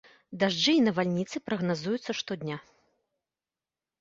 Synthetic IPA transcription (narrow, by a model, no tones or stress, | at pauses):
d̪aʐd͡ʐɨinɐvalʲnʲit̪sɨpɾɐɣnazujut̪sːɐʂt̪ɔd̪ʲnʲa